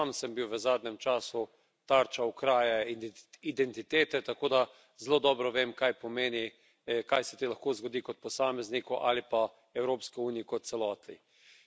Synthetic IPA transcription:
amsəmbiwʋəzaːd̪nʲɛmt͡ʃaːsu | t̪aɾt͡ʃaukɾaːjɛid̪ɛnt̪it̪eːt̪ɛt̪akoːd̪a | zloːd̪ɔːbɾɔʋeːmkajpɔmeːni | kajsɛt̪elaxkoːzɡɔd̪ikɔt̪̚pɔsaːmɛznikɔʔa̰lipa | ɛwɾoːpskiuːniikɔt̪t̪sɛlɔːt̪ḭ

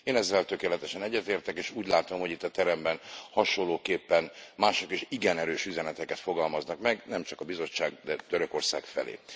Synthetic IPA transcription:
eːnɛzːɛlt̪ø̞keːlɛt̪ɛʃɛnɛɟːɛt̪eːrt̪ɛkeːʃuːɟlaːt̪o̞mho̞ɟit̪ːɒt̪ɛɾɛmbɛnhɒʃolːoːkeːpːɛnmaːʃokeːʃiɡɛnɛɾøːʃyzɛnɛt̪ɛkɛt̪fo̞ɡɒlmɒznɒkmɛɡnɛmt͡ʃɒkɒbizo̞t͡ʃːaːɡ̚d̪ɛt̪øɾø̞ko̞rsa̰ːkfɛ̰lḛː

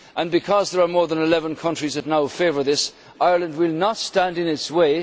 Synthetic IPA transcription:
ʔə̃nbɨkʰɔzðə˞ə˞mɔɹðə̃nɪlɛvə̃nkʰʌ̃nt͡ʃɹ̥izðɨtⁿnaʊfeɪvə˞ðɪs | ʔaɪə˞lˠə̃nd̚wɪlˠnətstæ̃ndɨ̃nɪtsweɪ

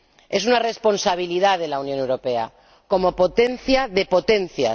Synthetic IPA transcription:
e̞sunare̞spo̞nsaβ̞iliðaðe̞launjone̞wɾo̞pe̞a̰ | ko̞mo̞po̞t̪e̞nθjaðe̞po̞t̪e̞nθja̰

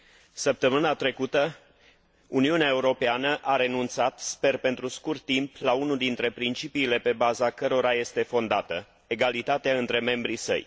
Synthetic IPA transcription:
səp̚t̪əmɨnat̪ɾe̞kut̪ə | uniuneae̞uɾo̞peanəʔaɾe̞nunt̪sat̪spe̞rpe̞nt̪ɾuskurt̪ːimplaunud̪int̪ɾe̞pɾint͡ʃipiːle̞pe̞bazakəɾo̞ɾaje̞st̪e̞fo̞nd̪at̪ə | e̞ɡalit̪at̪eaɨnt̪ɾe̞me̞mbɾisə̰j

